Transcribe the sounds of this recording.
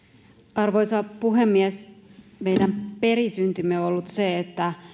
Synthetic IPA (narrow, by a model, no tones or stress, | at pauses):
ɑrʋojsɑpuɦemːiæsmejdæmperisynt̪ymeolːut̪seet̪ːæ